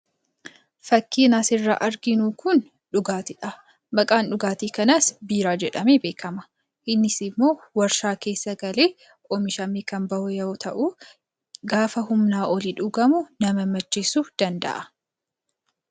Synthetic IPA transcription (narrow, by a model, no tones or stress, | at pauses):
fɐkːiːnɐsɪrːa̰ːʔɐɾɡɪnuːkʊn | ᶑʊɡaːt̪ɪᶑɐ | bɐkʼaːnᶑʊɡaːt̪iːkɐnɐsbiːɾaːd͡ʒɛᶑɐmeːbe̞ːkɐmɐ̥ | ʔɪnːɪsɪmːo̞ːwɐɾʃaːke̞ːsːɐɡɐleː | ʔɔmɪʃɐmːiːkɐmbɐʔʊjɐɔt̪ʰɐʔuː | ɡaːfɐɦʊmnaːʔɔliᶑʊɡɐmʊnɐmɐmɐt͡ʃːɪsuːd̪̥ɐnd̪ɐ̰ʔɐ